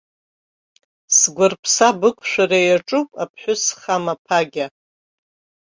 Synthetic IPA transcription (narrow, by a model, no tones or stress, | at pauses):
sɡʷʊrpʰsabɨkʷʰʼʃʷᶣaɾejaʈ͡ʂʼupʼapʰħʷʊsχamapʰaɡʲa